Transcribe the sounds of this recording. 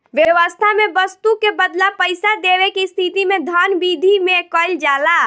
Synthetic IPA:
ʋjeʋəst̪ʰamebəst̪ukebəd̪lapəɪsad̪eʋekist̪ʰit̪imed̪ʱanbid̪ʱimekəld͡ʒala

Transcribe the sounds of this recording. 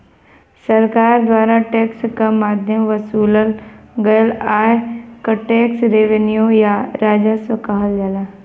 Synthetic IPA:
sɐɾkaːɾd̪waːɾaʈeːkskɐmaːd̪ʱjəmʋɐsuːləlɡɐjəlaːekɐʈeːksɾeːʋenjujaɾaːd͡ʒasəkaɦəld͡ʒɐlaː

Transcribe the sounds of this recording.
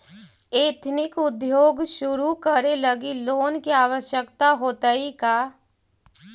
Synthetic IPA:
eːt̪ʰnɪkʊd̪joːɡʃʊɾukəɾeləɡiloːnkiaːʋəʃjəkt̪aɦoːt̪əika

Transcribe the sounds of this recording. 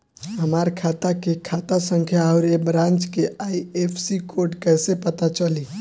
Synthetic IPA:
ɦəmaːɾkʰaːt̪akekʰaːt̪asə̃ŋkʰjaɔʊɾebɾãːnt͡ʃkeʔaːiepʰsikoːɾɖʈkɛːsepət̪at͡ʃəli

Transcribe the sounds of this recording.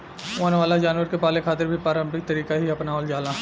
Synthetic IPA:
oːnʋaːlad͡ʒaːnʋəɾkepaːlekʰaːt̪ɪɾbʱipɾaːɾə̃mpɪk̚t̪ɐɾiːkaɦiɐpnaːold͡ʒaːla

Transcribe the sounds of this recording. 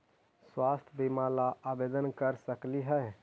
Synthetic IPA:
swaːst̪ʰbimalaʔabed̪ənkəɾsəkliɦɛ

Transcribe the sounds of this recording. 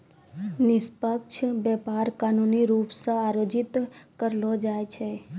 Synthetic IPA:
nɪspəkt͡ʃʰbjɛpaɾkaːnuniɾuːpsə̃aɾoːd͡ʒɪt̪kəɾlod͡ʒaːjt͡ʃʰe

